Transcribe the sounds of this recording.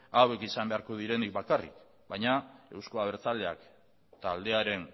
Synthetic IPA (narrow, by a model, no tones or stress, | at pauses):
awe̞kisambe̞aɾko̞ð̞iɾe̞nik̚bakarḭk | bajɲae̞wsko̞aβ̞e̞ɾt͡sald̪e̞a̰k | t̪ald̪e̞aɾe̞n